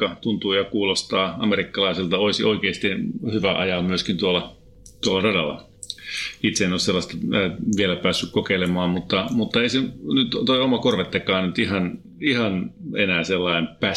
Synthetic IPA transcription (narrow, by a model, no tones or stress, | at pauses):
ɑt̪unt̪uːjɑkuːlost̪ɑːɑmeɾikːɑlɑisilt̪ɑoisiʔoikeːst̪ihyʋæʔɑ̰jɑlmyøskint̪uolɑ | t̪uolːˑɑrɑdɑ̰lːˑɑ̰ | it̪seinosselːɑst̪ɑʋielæpæːsːykkokeilemɑːmmut̪ːɑmut̪ːɑeisenyt̪t̪oiomɑkorʋet̪ːekɑːnnyt̪ihɑn | ihɑnenæːselːɑimpæ